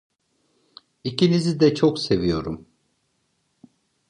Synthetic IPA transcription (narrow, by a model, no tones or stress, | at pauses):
icʰinizid̪ɛt͡ʃʰokse̞vijo̞ɾum